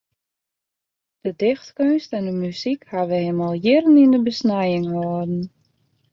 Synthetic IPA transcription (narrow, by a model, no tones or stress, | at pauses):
d̥ədɪxtkønstɛndəmysikhaʋəemalˠjɪrənindəbəsnɛjɪŋhɔədn̩